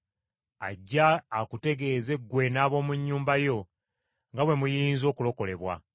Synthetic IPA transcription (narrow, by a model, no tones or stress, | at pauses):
a̰ɟːaːkute̞ɡe̞ːze̞ɡwe̞naːβo̞ːmuɲːuːmbajo̞ | ŋɡawe̞mujiːnzo̞ːkulo̞ko̞le̞βwa̰